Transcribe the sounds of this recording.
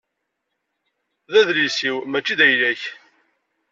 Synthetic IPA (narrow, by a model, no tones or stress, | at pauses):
ðæðlisiwmæt͡ʃːiðæjlæç